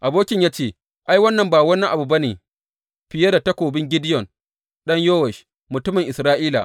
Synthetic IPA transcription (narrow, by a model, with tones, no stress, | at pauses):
ʔa˨boː˦kʲɪ˦ɲjaː˦t͡ʃeː˦˨ | ʔa˦jwɐ˦nːɐ˨mbaː˨wɐ˦nːɛ˦ʔa˨bu˨bɐ˦neː˨ | ɸɪ˨jɐ˦da˨tɐ˦kʷoː˨bɪ˦ŋɡʲɪ˦dɪ˦jɔ˨n | ɗɐ˦ɲjoː˦wɛ˨ʃ | mʊ˨tʊ˦mɪ˨ŋʔɪ˨sɾaː˦ʔiː˦la̰˨ʔ